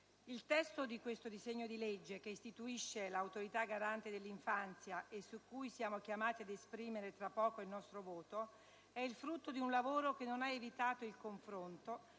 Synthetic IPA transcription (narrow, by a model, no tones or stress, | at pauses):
ilt̪ɛst̪od̪ikwest̪od̪izeɲːod̪iled͡ʒːekeist̪it̪uiʃːelawt̪oɾit̪aɡaɾant̪ed̪elːiɱfant̪sjaʔesukːujsjaːmok̟jamaːt̪iad̪espɾiːmeɾet̪ɾapːɔːkoilnɔst̪ɾovoːt̪o | ɛilfɾut̪ːod̪iunlavoːɾokenːonaevit̪aːt̪oilkoɱfɾont̪o